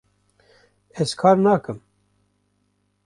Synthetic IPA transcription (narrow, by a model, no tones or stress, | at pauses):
ɛzkʰɑːɾnɑːkɨm